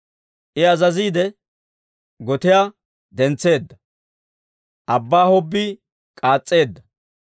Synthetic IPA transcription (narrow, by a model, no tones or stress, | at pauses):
ʔɪɐzɐziːd̪ɛ | ɡɔt̪ɪjaː | d̪ɛnt͡sːe̞ːd̪ːɐ | ʔɐbːaːhɔbːɪ | kʼaːt͡sʼːe̞ːd̪ːɐ